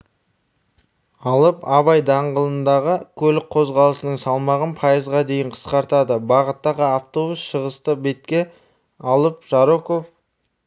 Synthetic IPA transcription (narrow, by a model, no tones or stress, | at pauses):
ɑlˠəpɑβɑjd̪ɑɴʁəlˠənd̪ɑʁəkʲʰɵlɪk̚qʰo̞zʁɑlˠəsənəɴsɑlˠmɑʁənpʰɑjəzʁɑd̪e̞jɪɴqʰə̥sqɑɾt̪ɑd̪əbɑʁət̪ːɑʁəaft̪o̞busʃəʁəst̪əbet̪̚kʲe | ɑlˠəp̚ʒ̥ɑɾokof